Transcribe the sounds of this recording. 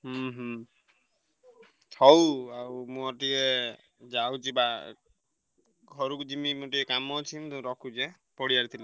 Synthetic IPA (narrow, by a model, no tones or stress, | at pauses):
ɦɦ | tʰɔwaumuɔʈiɛ | d͡ʒawd͡ʒiba | ɡʱɔɹukd͡ʒimimutiɛkamɔt͡ʃʰimt̪uɾɔkʰud͡ʒɛ | pɔɽijaɾt̪ʰil